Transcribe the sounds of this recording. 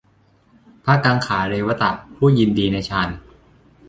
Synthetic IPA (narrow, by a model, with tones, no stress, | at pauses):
pʰa˦˥kaː˧ŋkʰaː˩˦ɾeː˧wa˧t̪a˨˩ʔpʰuː˥˩ji˧ndiː˧na˧jt͡ɕʰaː˧n